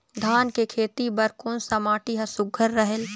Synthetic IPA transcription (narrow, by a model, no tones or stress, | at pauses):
d̪ʱaːnkekʰeːt̪ibɐɾkʊnsɐmaːʈiɦɐsʊɡʱəɾːɐɦəl